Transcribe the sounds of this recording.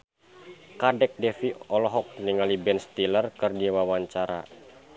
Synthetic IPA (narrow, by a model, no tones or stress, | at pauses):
kadɛk̚dɛfiɔlɔɦɔk̚niŋalibɛnst̪ilərkɨrdiwawaɲt͡ʃaɾa̰